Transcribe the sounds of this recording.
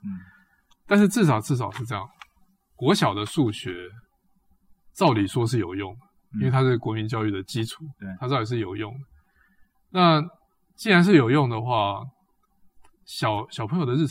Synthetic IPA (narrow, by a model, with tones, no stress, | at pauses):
t̪a˥˧nʂɻ̩˥˧t͡sɻ̩˥˩ʂ̬ɑ˨˩ʊt͡sɻ̩˥˩s̬ɑ˨˩ʊʂɻ̩˥˧ʈ͡ʂɤ˥˧jɑ̰˥˩ŋ | kwɔ˧˥ɕjɑ˨˩ʊd̪ə˨ʂu˥˩ɕɥɛ˧˥˦ | t͡sɑ˥˩ʊt̪i˨˩ʂwɔ˥ʂ̬ɻ̩˥˩jo˨˩ʊjʊ˥˩ŋd̪ə˩i˥nwe˥˩ɪt̪ʰa˥ʂɻ̩˥˩kwɔ˧˥mi˧˦nt͡ɕjɑ˥ʊy˥˩d̪ə˩t͡ɕi˦˥ʈ͡ʂʰu̥˨˩˦a˥t͡sɑ˥˩ʊt̪i˨˩ʂ̬ɻ̩˥˩jo˨˩ʊjʊ˥˩ŋd̪ə˩ | na˥˨ | t͡ɕi˥nɻa˧˥nʂ̬ɻ̩˥˩jo˨˩ʊjʊ˥˩ŋd̪ə˩xwa˥˩ | ɕɑ˨˩ʊɕɑ˨˩ʊpʰə˧˥ŋjo˨˩ʊd̪ə˧ɻ̩˥˩